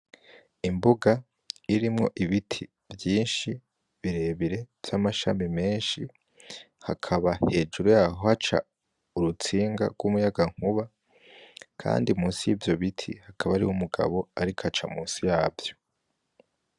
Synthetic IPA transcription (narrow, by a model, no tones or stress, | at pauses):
imbuɡa | iɾimŋo̞ʔiβitʰi | vjiːnʃi | βiɾe̞βiɾe̞v̥jamaʃa̰mime̞ːnʃi | hakʰaβahe̞ːd͡ʒuɾujaːɦohat͡ʃa̰ | uɾut͡siːŋɡa̰ɡwumujaɡaŋ̥huβa | kʰa̰ːndiumuːsijivjo̞βitʰihakʰaβaɾiwumuɡa̰βo̞aɾikʰat͡ʃamuːnsijaːvjo̞̥